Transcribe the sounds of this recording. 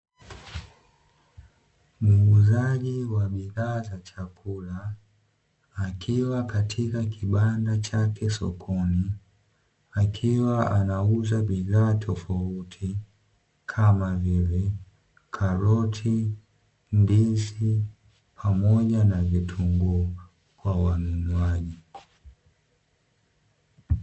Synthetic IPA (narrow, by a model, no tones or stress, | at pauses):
m̩uzaʄiwaɓiðaːzat͡ʃakula | kʰiwakatʰikakʰiɓandat͡ʃakɛsɔ̰kʰɔni | akʰiwaanauzaɓiðaːtʰɔfautʰi | kʰamavivi | kʰaɾɔtʰi | ndizi | pʰamɔʄanavitʰuŋɡu | kwawanunwaʄi